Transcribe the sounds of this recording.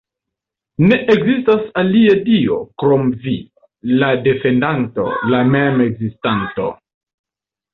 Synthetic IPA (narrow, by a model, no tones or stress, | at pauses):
ne̞ʔeɡzistasaliadio̞̰kɾomvi | lade̞fe̞ndanto̞̰lameme̞ɡzistanto̞̰